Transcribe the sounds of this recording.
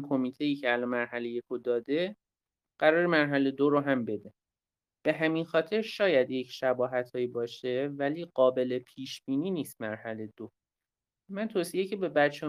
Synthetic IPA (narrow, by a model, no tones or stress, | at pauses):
kʰomiːt̪ʰe̞jiːcʰeælɒnmæɾɦæle̞je̞kʰod̪ɒːd̪e̞ | ɢ̥æɾɒːɾemæɾɦæle̞d̪oɾoɦæmbe̞d̪e̞ | b̥e̞ɦæminxɒːt̪ʰe̞ɾʃɒːjæd̪je̞cʰʃæbɒːɦæt̪ʰhɒːjibɒːʃe̞væliːɢɒːbe̞le̞pʰiːʃb̥iːniːniːst̪mæɾhæle̞d̪̥o | mænt̪ʰosije̞cʰe̞be̞bæt̪t͡ʃʰe